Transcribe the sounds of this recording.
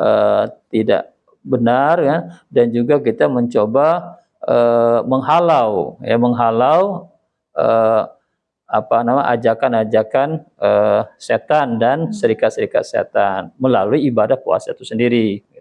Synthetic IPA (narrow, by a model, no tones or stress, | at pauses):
ət̪ida̰ʔ | bənarkandand͡ʒuɡakit̪aməɲt͡ʃoba | əməŋɦalawja̰məŋɦalaw | ə | apanamaʔa̰d͡ʒakanad͡ʒakanəset̪andansəɾikat̪̚səɾika̰t̪̚sḛt̪anməlaluiːbadahkua̰sat̪usəndiɾiɡit̪